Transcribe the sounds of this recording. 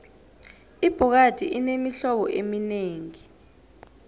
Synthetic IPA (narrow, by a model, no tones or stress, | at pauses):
ib̥ʱɔk̬ad̥ʱḭʔinemiɬɔɓɔʔemineːŋi